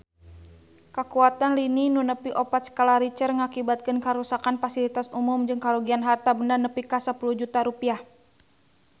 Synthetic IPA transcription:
kəkuat̪anlininunəpiʔɔpat̪sə̥kalaɾit͡ʃərŋakibat̪̚kɨnkaɾusakanfasilit̪asumʊmd͡ʒɨŋkaluɡianɦart̪abəndarnəpikasəpuluhd͡ʒut̪aɾupiah

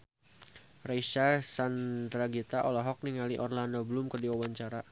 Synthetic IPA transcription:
raisasandɾaɡit̪aʔɔlaɦɔk̚niŋaliʔɔrlandoblʊmkərdiwawaɲt͡ʃaɾa

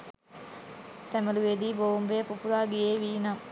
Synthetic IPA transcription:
sɛmɐluʋed̪iːboumbejpupuɾaːɡijeːʋiːnam

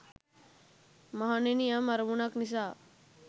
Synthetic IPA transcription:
məɦanenijamaɾmunaknis̬a

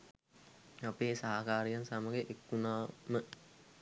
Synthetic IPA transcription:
apeːsaɦakaːɾijansamaɡeʔekːunaːmə

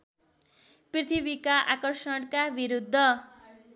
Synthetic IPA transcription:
prit̪ʰibikaʔakʌrsʌɽkabiɾud̪ʱːʌ

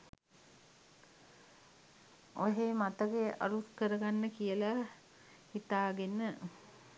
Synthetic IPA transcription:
oɦemat̪əɡeʔa̰ɾukəɾəɡanːəkijəla | hit̪aːɡenə

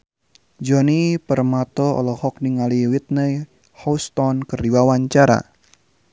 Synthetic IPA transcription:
d͡ʒɔnipərmat̪ɔɔ̰lɔhɔk̚niŋaliwit̪̚nəj | hɔust̪ɔnkəriwawaɲt͡ʃaɾa̰

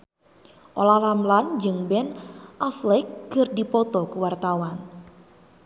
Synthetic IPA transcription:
ʔolahlamland͡ʒɨŋbɛnʔaflɛkːɨrdipɔt̪ɔkuwart̪awan

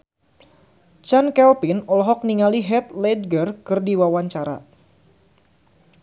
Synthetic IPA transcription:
t͡ʃankɛlpinɔlɔɦɔk̚niŋaliɦɛt̪lɛd̚ɡərkɨrdiwawaɲt͡ʃaɾa̰

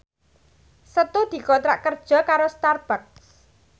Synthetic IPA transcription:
sət̪ud̪̥i̤kɔt̪ɾa̰ʔkərd̥ʒ̥ɔ̤kaɾost̪arb̥ak̚s

